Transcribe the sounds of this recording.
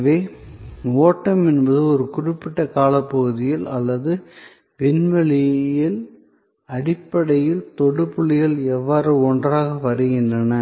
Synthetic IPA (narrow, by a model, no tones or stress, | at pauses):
ʋeː | oːʈːɐmɛnbɐðɯɔɾɯkʊrɪpːɪʈːɐkaːlɐpːɐɣɯðɪjɪlɐlːɐðɯ | ʋɪnʋɐɭɪjɪl | ɐɽɪpːɐɽɐjɪlt̪ɔɽɯpːɯɭɪjɪlɛʋːaːɾɯɔndraːɣɐʋɐɾɯɣɪndrɐnɐ